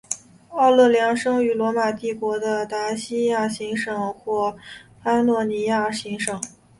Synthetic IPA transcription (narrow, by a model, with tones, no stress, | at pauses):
ɑ˥˧ʊlɤ˥˩ljɑ˧˥ŋʂɤ˥ŋy˧˥lwɔ˧˥ma˨˩t̪i˥˩kwɔ˧˥d̪ə˧t̪a˧˥ɕi˥ja˥˩ɕi˧˥ŋʂɤ˨˩ŋxwɔ˥˩pa˥nnwɔ˥˩ni˧˥ja˥˩ɕi˧˥ŋʂɤ˨˩˦ŋ